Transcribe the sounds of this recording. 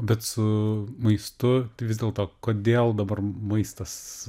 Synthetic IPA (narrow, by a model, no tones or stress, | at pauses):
bʲɛt̪sʊmɐɪst̪ʊt̪ɪʋʲɪzʲdʲeːlˠt̪oːkoːd̪ʲeːlˠd̪ɐbɐrmɐɪst̪ɐs